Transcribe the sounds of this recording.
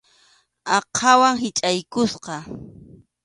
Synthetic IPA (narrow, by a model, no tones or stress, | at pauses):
ɑqʰɑwaŋɦɪt͡ʃʼajkʊsqɑ